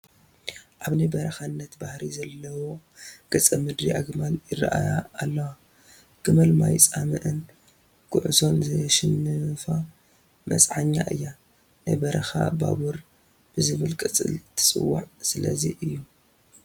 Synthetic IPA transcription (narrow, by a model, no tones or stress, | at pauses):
ʔaβnɨbɐɾɐxanːɐt̪bahɾizɐlːɐwo | ɡ̥ɐt͡sʼɐmɨd̪ɾiʔaɡɨmaljɪra̰ʔajaːlːɐwa | ɡ̥ɨmɐlma̰jt͡sʼamɨʔɨn | kʰʊʕuso̞nzɐʃɪnːɨfa | mɐ̰t͡sʼʕaɲːaʔɨjːa | nɐbɐɾɐxa̰ba̰buɾ | b̥ɨzɨβɨlkʼɨt͡sʼɨ̰lt̪ʰɨ̥t͡sʼɨ̰wːaʕsɨlɐ̰ziʔɨjːu